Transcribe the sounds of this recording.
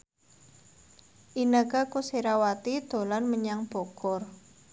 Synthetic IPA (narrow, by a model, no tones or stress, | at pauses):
ʔinəkakuseɾawat̪id̪̥o̤lanməɲaŋb̥okɔr